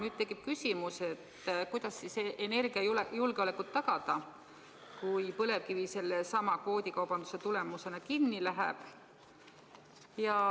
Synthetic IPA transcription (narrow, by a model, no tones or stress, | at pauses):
nyːt̪̚t̪e̞kːˑip̚kysʲimuse̞t̪ːkujd̪̥ɑsːiseʔene̞rɡ̥iɑjulejulɡ̥eolekut̪ːɑɡ̥ɑd̪̥ɑ | kujpɤ̞le̞vkivise̞lːe̞sɑmɑkvo̞ːd̪̥ʲikɑwbɑnd̪u̥se̞t̪ule̞muse̞nɑkinːilæɦæ̰b̥ | jɑ